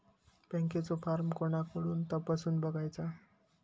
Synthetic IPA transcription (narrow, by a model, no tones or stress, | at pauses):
paŋket͡sopʰarmkonakuɽunt̪ʌpʌsunbʌɡajt͡sʰʌ